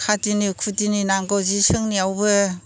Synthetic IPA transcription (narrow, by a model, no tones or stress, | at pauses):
kʰatinikʰutininaŋɡawzisɯŋniawbɯ